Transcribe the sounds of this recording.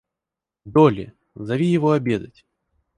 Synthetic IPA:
d̪olʲɪ̰ | zɐvʲijɪvoɐbʲe̞d̪ətʲ

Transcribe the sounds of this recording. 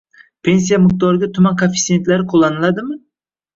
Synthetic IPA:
pʰe̞ns̬ijamʊq̚d̪ɒɾɪɡʲat̪ʰʊmankʰofi̥t̪se̞nt̪laɾɪqʰolˠːanɪlˠad̪ɪmɪ

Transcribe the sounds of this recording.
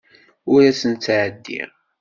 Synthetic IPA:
ʊɾæsənt̪t͡sːʕəd̪ːḭ

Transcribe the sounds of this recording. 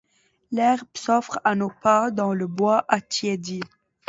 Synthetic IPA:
lɛʁbsɔfχanopad̪ɑ̃ləbwaʔat̪jɛd̪i

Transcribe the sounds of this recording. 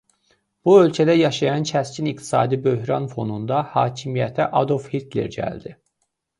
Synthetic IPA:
b̥uø̞lʲcʰæd̪æjɑʃɑjɑnt͡ʃʰæscʰinikt̪ʰi̥sɑ̰ːd̪ibø̞ɦɾɑnfo̞nund̪ɑhɑːcʰimijæt̪ʰiʔɑd̪ofhit̪ʰlḛɾɟæ̰ld̪i

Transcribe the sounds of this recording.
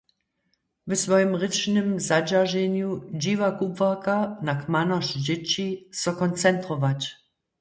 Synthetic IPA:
vɛsvɔjɪmʁɪt͡ʃnɪmzad͡ʑaʒɛɲjud͡ʑivakubvakanakmanɔʃd͡ʑɛt͡ɕisɔkɔnt͡sɛnt̪ʁɔvat͡ɕ

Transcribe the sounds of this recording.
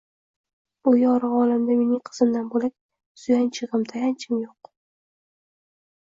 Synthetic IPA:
ʊjɒɾaɒlamd̪ame̞nɪŋqʰɨ̥z̥ɨmd̪anbolak̚ʲ | sʊjant͡ʃʰɨʁɨmt̪ʰajant͡ʃʰɪmjoq̚

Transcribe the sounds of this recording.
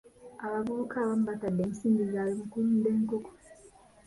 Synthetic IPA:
aβaɡuukʰaβam̩batadːeːnsiːmbizaːlimukuɾudeːŋkoko̥

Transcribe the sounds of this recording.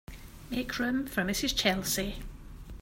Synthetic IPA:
mekʰɹʉ̃ɱfɹə̃mɪsɪz̥t͡ʃʰɛlˠsi

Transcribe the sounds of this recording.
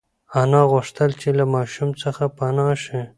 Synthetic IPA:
anɑɣʊʂt̪əlt͡ʃelamɑʃumt͡səxapanɑʃi

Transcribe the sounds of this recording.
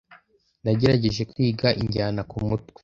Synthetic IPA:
naɟe̞ɾaɟe̞ʒe̞kwiːɡaʔiɲɟaːnakumutwe̥

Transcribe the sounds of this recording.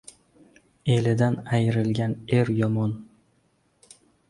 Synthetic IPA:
e̞lɪd̪anajɾɪlɡʲane̞ɾjɒmɒn

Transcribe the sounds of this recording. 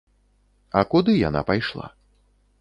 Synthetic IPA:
ɐkud̪ɨja̰na̰pajʂlˠa̰

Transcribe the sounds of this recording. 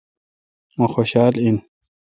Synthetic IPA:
moxoɕɑːlin

